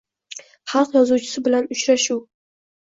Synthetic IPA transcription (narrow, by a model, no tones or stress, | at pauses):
χɑlˠqjɒzuwt͡ʃʰɪ̥sɪbɪlanʊt͡ʃɾaʃuw